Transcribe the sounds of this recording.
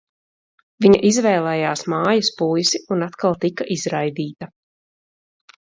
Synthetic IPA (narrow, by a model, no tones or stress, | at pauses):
viɲa̰ʔizvɛːlˠɛːjaːsmaːjɐspujsiunat̪kalˠt̪ikaʔizɾajd̪iːt̪ɐ